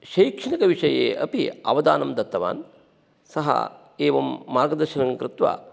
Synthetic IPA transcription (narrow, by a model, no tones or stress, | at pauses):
ʃɐjkʂɐnɐkɐʋiʂɐjḛːʔɐ̰pḭɐ̰ʋɐd̪a̰ːnɐmd̪ɐt̪ːɐʋa̰ːn | sɐɦɐ̰ | eːʋɐmːaːɡɐd̪ɐɾʃinɐŋkɾɪt̪ʋa̰ː